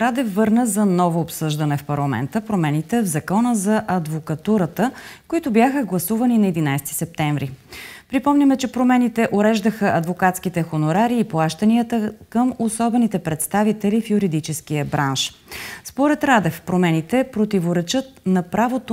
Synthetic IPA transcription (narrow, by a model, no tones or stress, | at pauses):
ɾad̪ɛfːɤɾnəzɐnɔvoːpsɤʒd̪ɐnɛfpɐɾlˠɐmɛ̰nt̪əpɾomɛnit̪ɛvzɐkɔnəzɐʔɐd̪vokɐt̪uɾət̪əkoit̪ʊbjaxəɡlˠɐsuvɐninɐɛd̪inajsɛ̥t̪i̥sɛp̚t̪ɛɱvɾipɾipɔmnʲimɛt͡ʃɛpɾomɛnit̪ɛʔoɾɛʒd̪əxəʔɐd̪vokat̪skit̪ɛxonʊɾaɾiːplˠaʃt̪əniət̪əkəmosɔbɛnit̪ɛpɾɛt̪st̪avit̪ɛlifjuɾid̪it͡ʃɛskijəbɾʔanʃ | spoɾɛt̪ɾad̪ɛfpɾomɛnit̪ɛpɾot̪ivoɾɛt͡ʃɤt̪̚nɐpɾavot̪o